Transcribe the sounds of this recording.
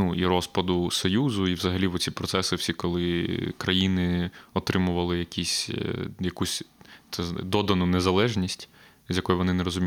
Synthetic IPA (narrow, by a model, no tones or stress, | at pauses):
nuiɾɔspɐd̪ʊsɔjuzʊiʋzɐɦɐlʲiʋɔt͡sʲipɾɔt̪sɛsɪwsʲikɔlˠɪkɾɐjinɪɔt̪ɾɪmʊʋɐlˠɪjɐkʲisʲjɐkusʲt̪ɛd̪ɔd̪ɐnʊnezɐlˠɛʒnʲisʲtʲ | zʲjɐkɔjʊʋɔnɪnɛɾɔzʊmʲi